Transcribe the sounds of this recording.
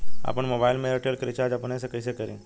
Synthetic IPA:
a̰pəɳmobajlmeɾəʈelkɾit͡ʃaɾd͡ʒapənesəkəjsekəɾḛ̃

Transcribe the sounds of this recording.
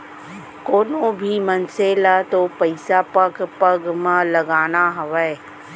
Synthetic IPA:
koːnõbʱimənseːlat̪opɐɪsapəɡpəɡmãlɐɡaːnaɦɐʋɛe

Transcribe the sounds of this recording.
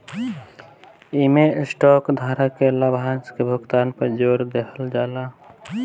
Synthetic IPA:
imesʈɔkd̪ʱaːɾakelabʱanskebʱʊɡt̪aːnpəɾd͡ʒoːɾd̪ekʰəld͡ʒaːla

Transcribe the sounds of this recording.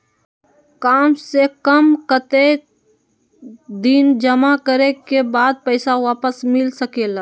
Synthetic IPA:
kaːmsekəmkət̪e | d̪ind͡ʒəmakəɾekebaːd̪̚pəɪsaʋaːpəsmɪlsəkeːlaː

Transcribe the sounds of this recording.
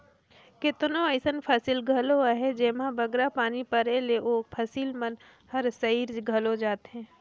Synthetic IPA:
kɪt̪nõəɪsənpʰəsilɡʱɐloaɦed͡ʒeːmãbʱəɡɾapaːnipəɾeleʔoːpʰɐsiːlmən | hɐɾsɐiːɾɡʱɐlod͡ʒaːt̪ɦɛ̃ː

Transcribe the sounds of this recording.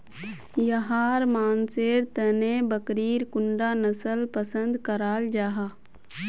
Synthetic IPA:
jɐɦaːɾmaːnseːɾt̪ənẽbəkɾiːɾkʊɳɖaːnəsəlpəsə̃nd̪kəɾaːld͡ʒaːɦaː

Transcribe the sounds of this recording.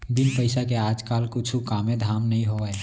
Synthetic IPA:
bɪnpəɪsakeaːd͡ʒkaːlkʊt͡ʃʰukaːmẽd̪ʱaːmnɐɦĩɦoɛː

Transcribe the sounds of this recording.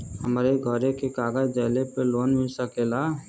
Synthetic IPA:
həmɾeɡʱəɾekekaːɡəd͡ʒd͡ʒɛːlepəloːnmɪlsəkela

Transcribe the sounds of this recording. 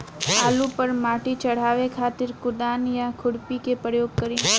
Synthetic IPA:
aːlupɐɾmaːʈit͡ʃɐɽ̤aːʋekʰaːt̪ɪɾkʊd̪aːnjakʰʊɽpikepɾəjoːɡ̚kɐɾĩː

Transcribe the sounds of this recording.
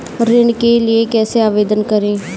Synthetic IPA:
ɾɪɳkeːlɪeːkɛːseːaːʋeːd̪ənkəɾẽː

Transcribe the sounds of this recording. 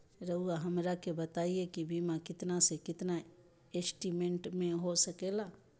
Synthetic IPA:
ɾəɦuaɦɐmɾakebɐt̪aːiekibʱimãkɪt̪nasekɪt̪na | esʈimẽɳʈmẽɦosɐkeːlaː

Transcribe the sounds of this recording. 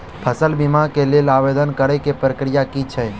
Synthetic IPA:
pʰəsəlbɪmakelelaʋed̪ənkəɾekepɾəkɾɪjakit͡ʃʰɛ

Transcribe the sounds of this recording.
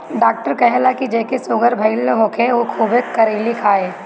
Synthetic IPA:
ɖaːk̚ʈəɾkɐɦelakid͡ʒeːkesʊːɡəɾbʱɐɪlːɦoːkʰeokʰuːbekːɐɾeːlikʰaːeː

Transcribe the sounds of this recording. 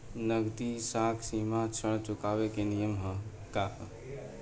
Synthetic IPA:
nəɡt̪isakʰsimat͡ʃʰəɽ̃t͡ʃukaβekenijəmɦə̃ | kaɦə

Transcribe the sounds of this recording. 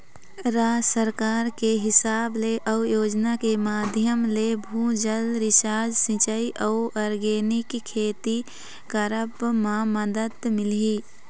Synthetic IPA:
ɾaːsəɾkaːɾkeɦɪsaːbleʔəʊjoːd͡ʒnakemaːd̪ʱjəmlebʱũːd͡ʒəlɾɪʃaːd͡ʒsɪ̃t͡ʃəiʔəʊɔɾɡeːnɪkʰːeːt̪i | kəɾəbmãməd̪əd̪mɪliː

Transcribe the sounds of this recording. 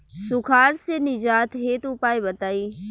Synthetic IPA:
sʊkʰaːɾsenɪd͡ʒaːt̪ɦeːt̪ʊpaːibɐt̪aːiː

